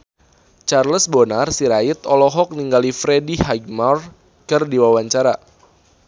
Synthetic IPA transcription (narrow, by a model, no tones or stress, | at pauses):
t͡ʃarləsbonarsiɾait̪ɔlɔɦɔk̚niŋɡalifɾediɦaɡ̚mar | kɨrdiwawaɲt͡ʃaɾa